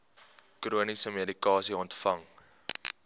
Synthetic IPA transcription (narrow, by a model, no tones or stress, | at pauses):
kruənisəmiədikɑːsiɔntfɐŋ